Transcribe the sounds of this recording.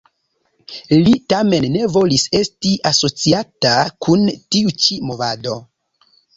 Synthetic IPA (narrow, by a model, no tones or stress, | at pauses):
litame̞nːe̞vo̞lise̞stiʔaso̞t͡siatakʰuntiut͡ʃimo̞vado̞